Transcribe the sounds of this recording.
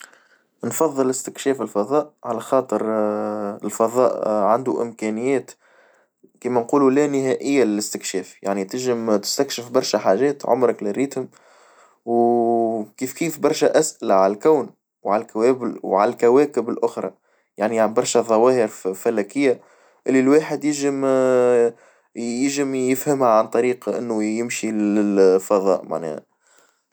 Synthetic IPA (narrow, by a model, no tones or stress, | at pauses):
nfɑðˤːəlɪst̪ɪkʃɛːfɪlfɑðˤɑːʔʕalæxɑːt̪ˤəɾ | ɪ̰lfɑðˤɑ̰ːʔʕand̪uʔɪ̰mkænɪjːɛːt̪ | kiːmænquːlulæːnɪɦæːʔɪjːalɪlɪst̪ɪkʃɛːfjaʕnit̪ɪʒɪmt̪ɪ̥st̪ækʃɪfbɑɾˤʃæħaːʒɛːt̪ʕʊ̰mɾɑklɪɾiːt̪hʊm | w | kiːfkiːfbɑɾˤʃæʔæsʔɪlaʕallkæːn | wʕalkæwɛːbɪlwʕalælkæwɛːkɪbɪlʔʊxɾˤɑ̰ | jaʕniʕabɑɾˤʃæðˤɑwɑːhəɾfælæːkɪjːa | ʔɪlːilwaːħəd̪jɪʒɪm | jɪʒɪmjɪfhəmhaʕant̪ˤɑɾiːqʔɪ̰nːʊjɪmʃilɪlfɑðˤɑ̰ːʔma̰ʕnɛ̰ːha̰